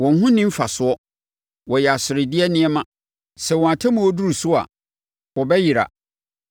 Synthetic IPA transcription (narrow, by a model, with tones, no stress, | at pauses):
wɔ̃˨n˦ɦʊ̃˦nĩ˦m̩˦fa˨sʊ˦ɔ˦ | wɔ˨jɛ˨a˨sɪ˨ɾɪ˨dɪ˦ɛ˦nɪ̃˦ɛ˦mã˨ | sɛ˨wɔ̃˨ã˨tʰã˦mũ˨ɔ˦du˦ɾu˨sʊ˦a̰˨ | wɔ˨bɛ˦ji˨ɾa̰˨